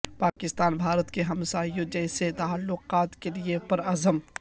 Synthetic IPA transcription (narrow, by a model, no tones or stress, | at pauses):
paːkɪst̪aːnbʱaːɾət̪keɦɐmsaːijõd͡ʒɛːset̪aːlːʊqaːt̪keliepɐɾɐzəm